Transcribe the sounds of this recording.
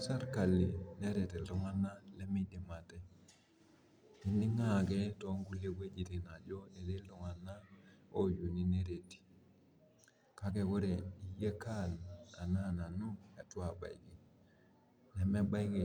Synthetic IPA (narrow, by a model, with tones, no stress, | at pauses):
a˦sa˦ɾka˨li˨ne˦ɾe˨ti˨lo˦ŋa˦na˦le˦mi˦de˨ma˨te˦ | ni˨˦ni˦ŋa˦ke˦to˦ŋɡu˦le˦kwe˦d͡ʒi˨ti˨na˨d͡ʒo˦e˨de˦lo˨ŋa˨na˦o˦ju˨ni˦ne˦ɾe˨ti̥˨ | ka˦ke˨ko˦ɾe˨i˨je˦ka˦na˨na˦na˨nu˦ja˨tu˦a˨ba̰˨ji˨ɡi˨ | ne˨me˦ba˦i˦ki˨